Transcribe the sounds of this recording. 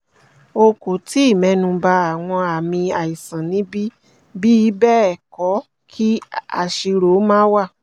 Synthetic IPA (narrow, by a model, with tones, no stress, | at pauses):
o˧ko˨ti˨˦i˦˨mɛ̃˨˧˦nũ˧ba˧˦a˨w̃ɔ̃˧a˨mĩ˧a˨i˨sã˨nĩ˨˦bi˦ | bi˦i˦bɛ˦ɛ˨kɔ˨˦ | kʰi˦a̰˨ʃi˧ɾo˨˦mãː˦wa˦˨